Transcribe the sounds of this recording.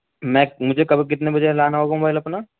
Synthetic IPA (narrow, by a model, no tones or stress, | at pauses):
mɛ̃ːmʊd͡ʒʱekɐbʱik̬ɪt̪nebɐd͡ʒəɦlaːnaɦoːɡamõbaːilɐpna